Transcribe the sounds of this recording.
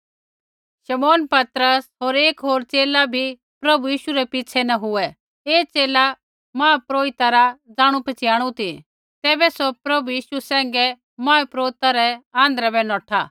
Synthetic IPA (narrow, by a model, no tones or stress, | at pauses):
ʃɐmoːnpɐt̪ɾəsɦoːɾeːkɦoːɾt͡seːlabʱi | pɾɐbujiːʃuɾɛpɪt͡sʰɛnɐ̃ɦʊɛ | eːt͡seːla | mãːpɾoːɪt̪aɾad͡zaːɽ̃upɐt͡ʃɪaːɽ̃ũt̪i | t̪ɛːbɛsɔpɾɐbujiːʃusɛ̃ːŋ̆ɡɛ | mãːɛpɾoːɪt̪aɾɛãːnd̪ɾabɛnɔːʈʰa